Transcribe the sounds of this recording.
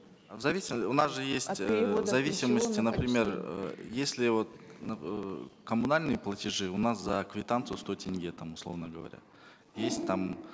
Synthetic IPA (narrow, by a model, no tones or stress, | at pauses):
vzɐvʲisʲɪmʊnasʐɨjesʲttʲvzɐvʲisʲiməsʲt̪ʲɪnəpɾʲɪmʲe̞rə̰jesʲlʲɪvo̞t̪n | kəmunalʲnɨjəplˠətʲɪʐɨʊnaszɐːkvʲɪt̪ant̪sɨjʊst̪o̞jtʲʰɪnʲɡʲet̪amʊslˠo̞vnəɡəvɐ̰ɾʲa̰ | jesʲtʲt̪am